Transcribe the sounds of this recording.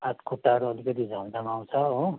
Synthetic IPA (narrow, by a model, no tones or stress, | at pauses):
at̪kʰuʈːaɾuʌlikʌt̪id͡zʱand̪amaw̃t͡sʰʌo